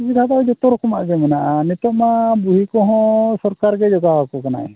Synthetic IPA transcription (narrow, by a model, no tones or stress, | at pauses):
bidʱad̪aɛd͡ʒɔt̪ɔɾɔkɔmaʔɡɛmɛnaʔanit̪ɔʔmabuɦikɔɦɔ̃sɔɾkaɾɡɛd͡ʒɔɡawakɔkana̰ɛ